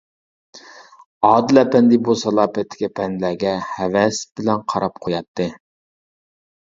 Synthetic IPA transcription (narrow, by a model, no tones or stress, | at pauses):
ɑːd̪ɨlɛpʰɛnd̪ɪbusɑlˠɑːpɛt̪ʰːɪ̥kʲipʰɛnlæɡʲɛhɛvɛsbɪlɛnqʰɑɾɑp̚qʰojɑt̪ʰːɨ